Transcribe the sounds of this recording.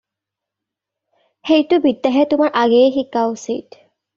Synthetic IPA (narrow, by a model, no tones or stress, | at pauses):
xejtʊbidːaɦɛtʊmaɹʔaɡɛxikːaʊsḭt